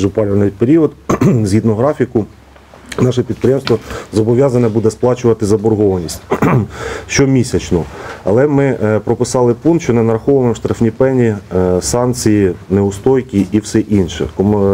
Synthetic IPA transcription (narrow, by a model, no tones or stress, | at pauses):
ʒʊpɑlʲʊʋɐnjpeɾʲiɔd̪zʲɦit̪nɔɦɾɑfʲikʊ | nɑʃɛpʲid̪̚pɾʲɪjɛmst̪ʋɔzɔbɔʋʲjɑzɐnʲɛbud̪ɛsplˠɑt͡ʃʊʋɐt̪ɪzɐbɔrɦɔʋɐnʲisʲtʲ | ʃt͡ʃɔmʲisʲɐt͡ʃnɔɐ̰lˠɛmɪpɾɔpɪsɑlˠɪpunt̪ʃt͡ʃɔnɛnɐɾɐxɔʋɐmemʃt̪ɾɐfnʲipɛnʲisɑnt͡sʲijineʊst̪ɔjkʲiʔːwsɛʔinʃɛ̰kɔm